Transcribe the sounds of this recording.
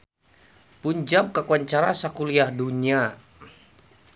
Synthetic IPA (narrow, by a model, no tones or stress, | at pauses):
puɲd͡ʒam̚kakuaɲt͡ʃaɾasakuliahdunia